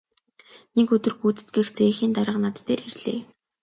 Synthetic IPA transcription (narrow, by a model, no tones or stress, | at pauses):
nekɵt̪ɵ̆rxuːt͡sɘ̥̆t̪̚ɡĭxt͡seːxiːnt̪aɾə̆qnat̪ʰːeːrxerɮḛː